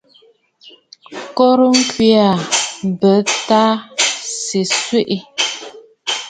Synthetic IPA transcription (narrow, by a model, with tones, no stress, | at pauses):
kɔ˦ɾə˦ŋ̩˦kwi˦a˨bə˨˦ta˦si˨swe˦ʔi˦